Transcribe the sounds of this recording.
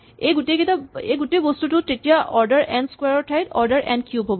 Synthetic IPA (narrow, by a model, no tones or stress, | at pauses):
ejɡuteɡetaejɡutebɔstutʊtetijaʔɔɹdaɹʔɛnskweɹɔɹtʰajtɔɹdəɹʔɛ̰nkjubɦobɔ